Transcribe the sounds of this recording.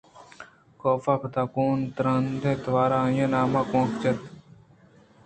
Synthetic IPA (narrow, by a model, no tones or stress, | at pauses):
koːfaːkət̪aːkuːnt̪ɾənd̪ẽːt̪əʋaːɾãːjẽːnaːmãːkõːkt͡ʃət̪